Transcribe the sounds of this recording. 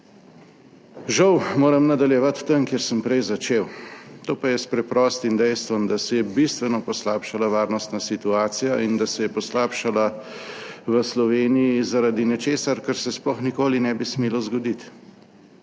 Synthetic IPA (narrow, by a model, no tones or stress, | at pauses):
ʒawmoːɾɐmnad̪aljɛʋat̪ːəŋkjɛɾsəmpɾɛjzat͡ʃeːwt̪oːpajɛspɾɛpɾɔːst̪imd̪ɛjst̪ʋɔmd̪asɛjɛbist̪ʋɛnɔpɔslaːpʃalaʋaːɾnɔst̪nasit̪uaːt̪sijaind̪asɛjɛpɔslaːpʃala | ʋəslɔʋeːnijizaɾad̪inɛt͡ʃeːsaɾkəɾsɛsplɔxnikoːlinɛbismeːlɔzɡɔd̪it̪